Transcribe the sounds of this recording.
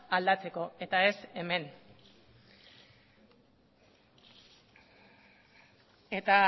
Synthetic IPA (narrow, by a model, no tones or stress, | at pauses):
ald̪at͡se̞ko̞e̞t̪ae̞se̞me̞n | et̪a